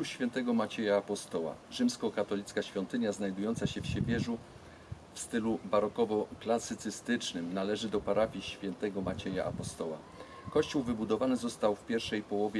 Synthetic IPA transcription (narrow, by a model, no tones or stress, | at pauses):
uɕfʲjɛnt̪ɛɡɔmat͡ɕɛjaːpɔst̪ɔwa̰ʐɘmskɔkat̪ɔlʲit̪skaɕfʲjɔnt̪ɘɲaznajd̪ujɔnt̪saɕɛfɕɛvʲjɛʐu | fst̪ɘlubaɾɔkɔvɔklasɘt̪sɘst̪ɘt͡ʂnɘmnalɛʐɘd̪ɔpaɾafʲiɕfʲjɛnt̪ɛɡɔmat͡ɕɛja̰ʔa̰pɔst̪ɔwa̰ | kɔɕt͡ɕuwvɘbud̪ɔvanɘzɔst̪awfpʲjɛɾʂɛjpɔwɔvʲjɛ